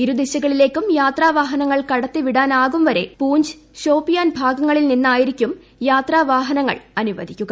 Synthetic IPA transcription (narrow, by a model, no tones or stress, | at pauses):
iɾud̪iɕɐɣɐɭile̞ːkʲːumjaːt̪raːʋaːɦɐnɐŋːɐɭkɐɽɐt̪ːiʋiɽaːnaːɣumʋɐɾe̞̰puːɲd͡ʑɨ̥ɕo̞ːpːijaːnbʱaːɡɐŋːɐɭilninːaːjiɾikʲːum | jaːt̪raːʋaːɦɐnɐŋːɐ̰ɭɐnuʋɐd̪ʱikʲːuɡɐ